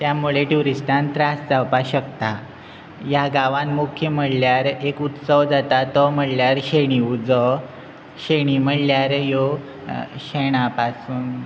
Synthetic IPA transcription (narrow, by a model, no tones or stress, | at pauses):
t̪jamuɭeʈuɾisʈʰãnt̪ɾasd͡zawpaɕəkt̪a | jaɡaʋãnmukʰjəm̤əɽljaɾekut̪səʋd͡zat̪at̪ɔm̤əɽljaɾɕeɽ̃iud͡zɔ | ɕeɽ̃im̤əɽljaɾjo | ɕeɳ̃apasuːn